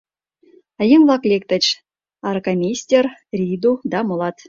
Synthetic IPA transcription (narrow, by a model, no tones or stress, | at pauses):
əjəŋvlˠɑklʲek̚t̪ə̆t͡ɕ | ɑɾkamʲisʲtʲerrʲid̪ud̪ɑmŏlˠɑt̪